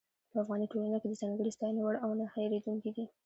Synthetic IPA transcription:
pəafɣɑniʈolanaked̪əzɑŋɡəɽist̪ɑjnewaɽawnahajɾed̪uŋkid̪i

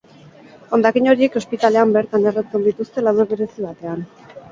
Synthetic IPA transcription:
o̞nd̪akiɲo̞ɾie̞ko̞spit̪ale̞ambeɾt̪anerat͡se̞nd̪it̪ust̪e̞lawðoβeɾe̞siβat̪e̞an

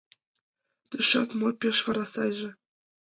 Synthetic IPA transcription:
t̪yʃɑt̪mopʲeʃʋɑɾɑsɑjʒɘ̆

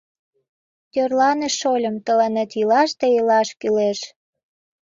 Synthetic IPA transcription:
t̪ʲørlɑneʃolʲə̆mt̪əlenet̪ilɑʃt̪eilɑʃkyleʃ

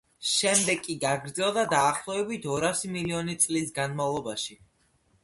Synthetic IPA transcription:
ʃɛmd̪ɛkʼːiɡaɡɾd̪zɛlˠd̪ad̪aːχlˠɔɛbit̪ʰɔɾasimiliɔnit̪sʼlisɡanmavlˠɔbaʃi

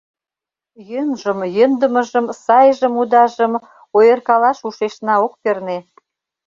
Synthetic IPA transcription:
jənʒə̆mjənd̪ə̆mə̆ʒə̆msɑjʒə̆mud̪ɑʒə̆m | ojə̆rkɑlɑʃuʃeʃnɑok̚perne

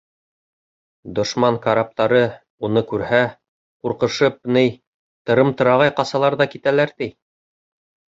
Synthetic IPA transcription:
d̪ŏʃmɑŋkaɾap̚t̪ɑɾɤ | unɤkʉɾhæ | quɾqɤ̆ʃɤp̚nɘj | t̪ɤ̆ɾɤmt̪ɤ̆ɾɑʁɑjqɑsɑlˠɑɾðɑkit̪ælæɾt̪ij

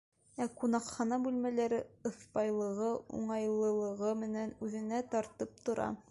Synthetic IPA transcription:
æqunɑqχɑnɑbʉlmælæɾɘɤ̆θpɑjlˠɤ̆ʁɤṵɴɑjlˠɤ̆lˠɤ̆ʁɤmɘ̆nænʉðɘ̆næt̪ɒɾt̪ɤp̚t̪ŏɾɑ̰

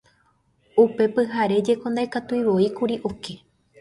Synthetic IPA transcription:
upe̞pɨɦaɾe̞d͡ʒe̞kõ̞nd̪ajkat̪uiʋo̞ikuɾiʔoke̞

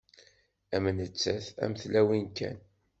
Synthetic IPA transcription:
æmənət͡sːæθæ̰məθlæwinkæ̰n

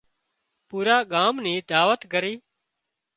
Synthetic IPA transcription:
puːɾaːɠaːmnĩːd̪aːʋət̪kəɾiː

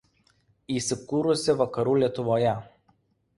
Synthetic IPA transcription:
isʲɪkuɾʊsʲɛʋɐkɐɾulʲɛt̪ʊʋɔja

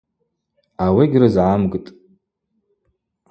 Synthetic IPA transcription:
awiɡʲrɨzʕamɡʼtʼ

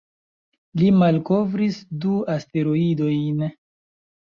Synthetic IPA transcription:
limalko̞vɾisduaste̞ɾoido̞jn

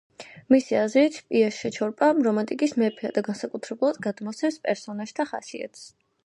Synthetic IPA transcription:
misiazɾit̪ʰpʼiaʃɛt͡ʃʰɔɾpʼamɾɔmant̪ʼikʼismɛpʰɛad̪aɡansakʼut̪ʰɾɛbulˠad̪̚ɡad̪mɔt̪sʰɛmspʼɛɾsɔnaʒ̥t̪ʰaχa̰sia̰t̪ʰs

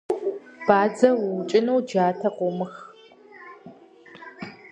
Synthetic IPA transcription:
b̥aːd͡zɐwʊwʊt͡ʃʼɪnɐwd͡ʒaːtʰɐqʷʊmɨx

